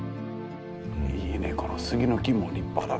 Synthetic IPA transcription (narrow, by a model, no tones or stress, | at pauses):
inekʰo̞nosɨɡʲinokʲimoɾʲipːa̰d̪a